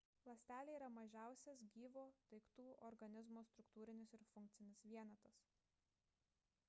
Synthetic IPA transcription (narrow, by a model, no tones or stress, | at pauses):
lˠɐsʲt̪ʲæːlʲeiːɾɐmɐʒʲæˑʊsʲɛsɡʲiːʋoːt̪ɐɪkt̪uːʔɔɾɡɐnʲɪzmoːst̪ɾʊkt̪uːɾʲɪnʲɪsɪɾfʊŋʲk̚t̪sʲɪnʲɪsʋʲiɛnɐt̪ɐs